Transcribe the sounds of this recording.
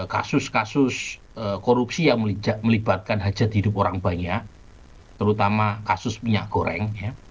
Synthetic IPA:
ka̰sʊskasʊs | əkoɾup̚sijaŋməlid͡ʒaməlibat̪̚kanɦḁd͡ʒat̪hidʊp̚oɾaŋbaɲaʔ | t̪əɾut̪amakasʊspuɲa̰ʔɡ̥oɾɛ̰ŋja

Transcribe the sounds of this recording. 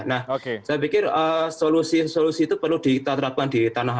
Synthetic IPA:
nahokesaapikɪrəsolusisolusiːt̪upərlud̪̥it̪at̪ɾap̚kand̪it̪anaɦ

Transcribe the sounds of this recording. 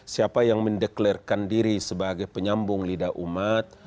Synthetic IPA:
siapajaŋməndəklɛrkandiɾisəbaɡajpəɲambʊŋlidaʔumat̪̚

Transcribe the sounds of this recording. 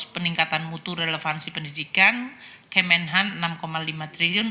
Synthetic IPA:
pəniŋkat̪anmut̪uɾɛlɛfansipəndidikankɛmɛnɦanənːamkomalimat̪ɾiliʊn

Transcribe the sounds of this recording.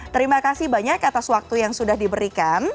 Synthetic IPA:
t̪əɾimakasɪhbaɲakːat̪aswak̚t̪ujaŋsudahdibəɾikan

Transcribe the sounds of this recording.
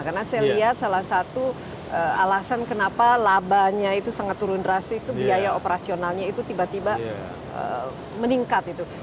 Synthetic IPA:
karnasajaliɦat̪̚salahsat̪u | ʔəalasankənapalabaɲait̪usaŋat̪ːuɾʊnrast̪ɪst̪ubiajaopəɾasionalɲait̪ut̪ibat̪iba | ə̰ | məniŋkat̪it̪u

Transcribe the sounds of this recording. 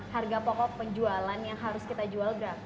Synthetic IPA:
harɡapɔkɔpəɲd͡ʒualanjaŋɦaɾʊskit̪ad͡ʒualbəɾa

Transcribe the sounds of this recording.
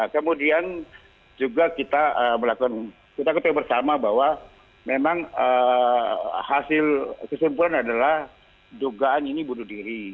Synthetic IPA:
kəmudian | d͡ʒuɡakit̪aəməlakan | kit̪akut̪abərsamabawa | memaŋə | hasɪlkəsumpuɾanadalah | doɡaaninibududiɾi

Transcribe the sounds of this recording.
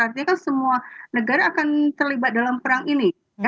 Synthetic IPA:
rt̪iɲakansəmuanəɡaɾaːkant̪ərlibat̪̚dalampəɾaŋini | a

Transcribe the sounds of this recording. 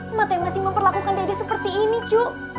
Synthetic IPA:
mat̪amasɪŋməmpərlakukandadasəpərt̪iːnid͡ʒʊ

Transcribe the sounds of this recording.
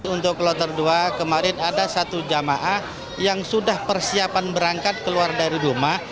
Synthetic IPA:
unt̪ʊkːəlɔt̪ərduakəmaɾɪnadasat̪ud͡ʒamaʔa | jaŋsudahpərsiapanbəɾaŋkat̪̚kəluardaɾiduma

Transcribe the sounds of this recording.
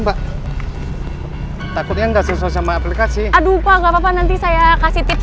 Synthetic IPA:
baʔ | t̪akʊt̪̚ɲaŋɡaʔsɔsɔsamaːplikasiʔadukaɡapapanant̪isajakasit̪ɪp̚

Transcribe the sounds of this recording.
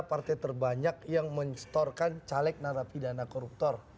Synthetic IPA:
part̪ɛt̪ərbaɲak̚jaŋməɲst̪ɔrkant͡ʃalɛk̚naɾapidanakɔɾup̚t̪ɔr

